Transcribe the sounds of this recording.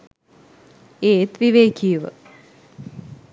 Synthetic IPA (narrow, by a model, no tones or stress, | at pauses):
eːt̪ʋiʋeːkʰijəʋə̰